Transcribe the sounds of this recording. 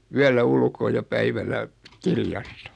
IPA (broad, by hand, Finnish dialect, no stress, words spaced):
yælːæ ulkoː jɑ pæiʋælæ kirjɑstɑ̥